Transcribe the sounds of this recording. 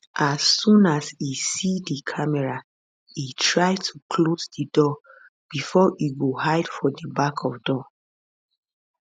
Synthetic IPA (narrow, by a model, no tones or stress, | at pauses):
ʔasːũnasisidikʰamɛɹa | itʰɹaɪtʰukʰlozdədɔ | b̥ifɔʔiɡohaɪd̥fɔdibakʰɔvdɔ